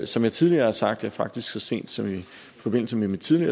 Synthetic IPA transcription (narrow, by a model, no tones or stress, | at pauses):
sɒ̽mjɑ̈ɪt͡sʰið̞ˠliɐːhɑ̈sɑ̈ɡ̥̚d̥jɑ̈æɐfɑ̈ɡ̥̚d̥isɡ̥sɒ̽se̝̰ːnd̥sɒ̽mi | fɒ̽be̝n̰l̩səmemid̥t͡sʰiðˠliɐ̰ː